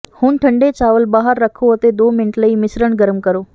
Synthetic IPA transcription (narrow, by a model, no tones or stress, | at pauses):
huːnʈʰəɳɖet͡ɕaːʋəlbaːɦəɾːəkʰoɐt̪ed̪oːmɪnəʈləiːmɪsɾəɽɡəɾəmkəɾoː